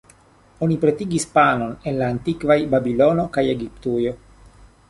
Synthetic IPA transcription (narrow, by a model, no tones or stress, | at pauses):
o̞nipɾe̞tiɡispano̞ne̞nlaːntikvajbabilo̞no̞kaje̞ɡiptujo̞